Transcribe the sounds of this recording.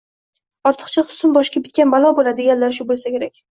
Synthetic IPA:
ɒɾt̪ʰɨ̥qt͡ʃʰaqʊ̥sʊmbɒʃkʲabɪt̪̚kʲanbalˠɒbolad̪ɪɡʲanlaɾʃ̬ʊbolˠsakʲʰe̞ɾakʲ

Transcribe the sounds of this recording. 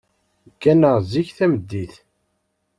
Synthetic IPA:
kːænəʁziçθæməd̪ːiθ

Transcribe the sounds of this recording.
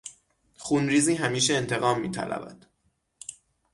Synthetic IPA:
xunɾiːziːɦæmiːʃeːnt̪ʰe̞ɣɒːmːḭːt̪ʰæ̰læ̰væ̰d̪̥

